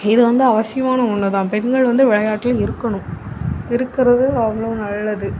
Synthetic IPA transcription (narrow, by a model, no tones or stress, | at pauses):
ɪðɯʋɐnd̪ɯɐʋɐsɪjɐmaːnɐʊɳːɐðãːpɛnɡɐɭʋɐnd̪ɯʋɪɭɐjaːʈːɪlɪɾɯkːɐɳʊ̃mɪɾɯkːɪɾɐðɯɐʋːɐɭɐɯnɐlːɐðɯ